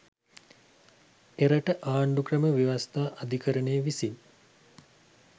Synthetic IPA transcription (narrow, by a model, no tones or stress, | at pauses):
eɾəʈəʔaːɳɖukrəməʋiʋast̪aːʔad̪ʱikəɾənejːʋisin